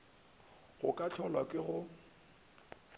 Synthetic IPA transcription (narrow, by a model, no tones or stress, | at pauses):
ɣʊkʼat͡ɬʰɔlwakʼɪɣʊ